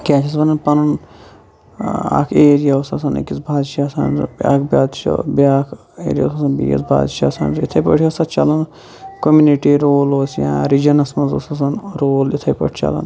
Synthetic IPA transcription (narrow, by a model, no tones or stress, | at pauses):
kʲaːt͡ʃʰis̬bɐnɐnpɐnɐn | a̰ːkʰeːɾijausɐsɐnḭkit͡sbʱaːd̪ʃaːsanbʲa̰ːkbʲaːd̪t͡ʃo̰bʲaːkʰ | ḛːɾija̰wsɐsɐnbḭːjḭsbʱa̰ːd̪ʃa̰ːsa̰ːnzit̪ʰɐjpə̰ʈʰkɐsɐt̪t͡ʃɐlɐn | komuniʈiɾoːloːsjãːɾid͡ʒɐnɐsmɐzo̰ːsɐs̬ɐnɾoːlit̪ʰɐjpɐ̰ʈʰt͡ʃɐ̰lɐ̰n